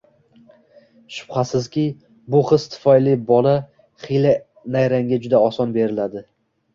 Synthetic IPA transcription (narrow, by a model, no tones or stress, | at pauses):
ʃʊ̥b̥χasɪzkʲɪ | bʊχɨst̪ʰɪ̥fɒjlibɒla | χijla | najɾaŋɡʲad͡ʒʊd̪aɒsɒnbe̞ɾɪlad̪ɪ